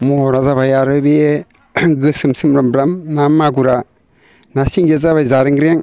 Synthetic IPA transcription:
mɔɾazaβajaɾɯbie | ɡɯsɯmsɯmɾɯmbɾamnamːaɡuɾa | nasiŋd͡ʒezaβajzaɾɯŋɡɾeŋ

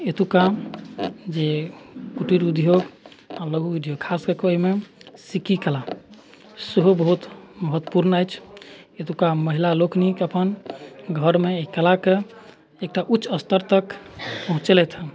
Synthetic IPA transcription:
et̪uka | d͡ʒekuʈiɾud̪ʱjoɡaləɡʱuud̪ʱjoɡ̚kʰaskəɾkeoimesikikəla | səɦobəɦut̪məɦət̪ːəpuɾnajt͡ʃʰet̪ukaməɦilalokʰnikəpənɡʱəɾmeikəlake | ek̚ʈaʔutːt͡ʃːəst̪əɾt̪əkpəɦũt͡ʃelɛt̪ʰɦə

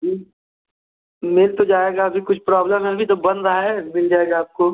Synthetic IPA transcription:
d͡ʒi | mɪlt̪od͡ʒaːeːɡabʱikʊt͡ʃʰpɾaːbləmɦɛ̃bʱit̪obɐnɾɐɦaɛmɪld͡ʒaːeːɡaːp̚koː

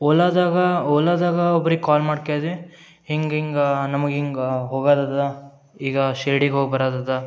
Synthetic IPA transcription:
oːlaːd̪aːɡɐɔːlaːd̪aːɡɐɔbɐɾikaːlmaːɽkeːd̪i | hiŋɡiŋɡɐnɐmɐɡiŋɡɐɦoːɡaːd̪aːd̪ɐ | iːɡɐʃeːɽiɡɦoːɡbɐɾaːd̪aːd̪ɐ

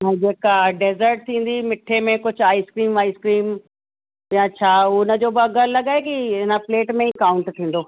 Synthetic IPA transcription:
nɐ̃d͡ʑeːkaɖeːzəɾʈ̚t̪ʰĩːn̆d̪imɪʈʰemẽkʊd͡ʑʱʊaːiskɾiːmaːiskɾiːm | jãt͡ɕʰaːʊnəd͡ʑoːbɪɐɡəlɐɠaːɦekiɪnəpleːʈmẽikaːʊ̃ɳʈt̪ʰĩːn̆d̪oː

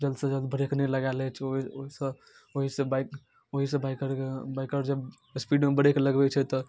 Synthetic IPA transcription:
d͡ʒəld̪sə̃d͡ʒəld̪bəɽekenɛləɡalɛt͡ʃʰooɦisə̃ | oɦisẽbak | oɦisə̃baikəɾebaɪkəɾd͡ʒeb | spiɖmebəɽekeləɡbɛt͡ʃʰɛt̪ɔ

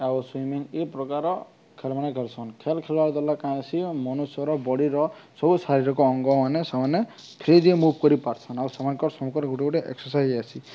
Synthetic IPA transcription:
awswimiŋepɾɔkaɾɔ | kʰelmanekʰelsʰɔnkʰelkʰelbaɾd̪ɔlakaj̃asʰimɔnusɔɾɔbɔɽiɾɔsɔbusaɾiɾɔkɔːŋɡɔmanesamane | pʰɾid̪iemubʱkɔɾipaɾt͡ʃʰɔnawsamankɔɾsɔmukɔɾɡʱuʈibɔʈeʔeksɔsajzasʰi

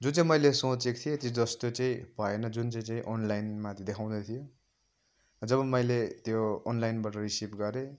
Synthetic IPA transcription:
d͡zut͡saĩmʌjlesot͡sekt̪ʰijet̪od͡zʌst̪ot͡saĩpaenʌd͡zunt͡saĩt͡saĩʔonlajnmat̪d̪ekʰaw̃d̪ʌt̪ʰijo | d͡zʌbʌmʌjlet̪joːnlajnbaʈʌrisipɡʌɾe

